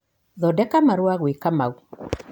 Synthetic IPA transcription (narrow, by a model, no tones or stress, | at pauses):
ðɔdɛkamaɾwaɣwekamau